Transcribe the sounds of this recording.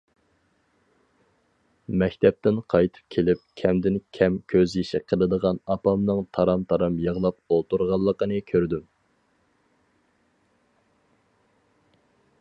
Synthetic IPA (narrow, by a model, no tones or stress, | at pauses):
mɛkʲt̪ʰɛp̚t̪ɪnqʰɑjt̪ʰɨ̥p̚kʲʰelɪp̚kʲʰɛmd̪ɪnkʲʰɛmkʲʰøzjiʃiqʰəlˠɨd̪əʁɑnɑpɑmnɨŋt̪ʰɑɾɑmt̪ʰɑɾɑmjɑʁlˠɑp̚olˠt̪uɾʁɑlˠːəqənɨkʲʰøɾd̪ym